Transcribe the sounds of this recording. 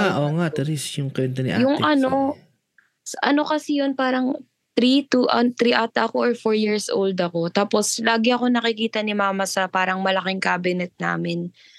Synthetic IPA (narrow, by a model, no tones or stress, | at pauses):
aʔoːŋat̪ɾisjʊŋkwɛnt̪ɐnɪ̰ʔa̰jʊŋʔɐno | sɐʔɐ̰no̞kɐsɛjonpaːɾɐŋ | t̪ɾit̪uʔɐt̪ɾiʔaːt̪ɐʔɐko̞ʔoɹfoɹjiɹsʔo̰wld̪ɐko̞t̪aːpo̞slaːɡɪʔɐko̞nɐkɪkiːt̪ɐnɪmaːmɐsɐpaːɾɐŋmɐlɐkɪŋkaːbɪnɛt̪̚na̰ːmɪn